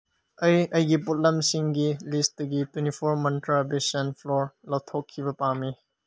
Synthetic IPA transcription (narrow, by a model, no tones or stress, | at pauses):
ɐjɐjɡiput̚lɐmsiŋɡilist̚dɐɡitwenipʰoɾmɐntɾabesɐnpʰloɾlɐw̚tʰokʰːibɐpami